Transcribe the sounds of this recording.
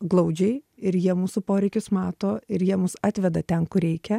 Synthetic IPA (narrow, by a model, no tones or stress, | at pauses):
ɡlˠɐʊd͡ʒʲɛɪɪɾjiɛmuːsʊpoːɾʲɛɪkʲʊsmɑːt̪oːɪɾjiɛmʊsɑːt̪ʲʋʲɛd̪ɐt̪ʲɛnkʊɾʲɛɪkʲɛ